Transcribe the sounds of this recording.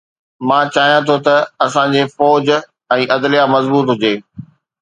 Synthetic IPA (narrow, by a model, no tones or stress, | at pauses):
mãːt͡ɕaːɦijãt̪ʰot̪ɐɐsãd͡ʑeːfɔːd͡ʑ | ɛ̃ːʔɐd̪lijamɐzbuːt̪ɦʊd͡ʑeː